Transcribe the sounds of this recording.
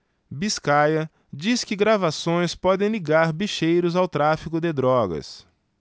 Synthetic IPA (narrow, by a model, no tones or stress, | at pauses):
biskajɐ | d͡ʒiskɪɡɾavasõj̃spɔd̪ẽj̃liɡaɾbiʃejɾʊzawt̪ɾafikʊd̪ɪd̪ɾɔɡɐ̰s